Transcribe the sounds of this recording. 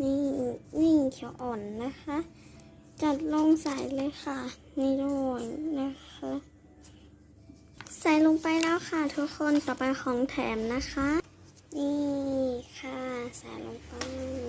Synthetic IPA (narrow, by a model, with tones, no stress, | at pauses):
ni˧˩niː˧˩˨kʰi˧˩ə˦wʔɔː˨˩nːa˧˥xʰa˧˥˨ | t͡ɕa˧˩t̪̚lo˧˥˨ŋsa˨˩˦jlɤː˧˥˨jxa˧˩ | na˧˩lɔː˧˩jna˧xʰa˧˥ | sa˨˦jlo˧ŋpa˧jlɛː˧˥˨wxʰa˧˩t̪ʰu˧˥kʰːo˧˥˨nt̪ɔː˨˩pa˧jxʰɔː˨˦ŋt̪ʰɛ̰ː˨˦mna˧˥xʰa˧˥ | niː˧˩kʰa˧˩sa̰˨˦jlo̰˧ŋpa˧j